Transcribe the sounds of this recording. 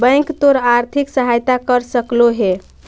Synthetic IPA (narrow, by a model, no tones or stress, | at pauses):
bə̃jkt̪oɾaɾt̪ʰiksəɦajt̪akəɾsəkloɦe